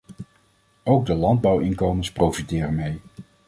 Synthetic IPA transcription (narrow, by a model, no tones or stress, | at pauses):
owɡ̚dəlɑnd̚bɑwɪŋkowmənsprowfitɪːrənmej